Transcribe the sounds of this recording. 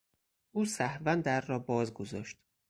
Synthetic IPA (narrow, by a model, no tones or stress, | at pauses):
ʔuːsæhvænd̪æɾːɒːbɒːzɡo̞zɒːʃt̪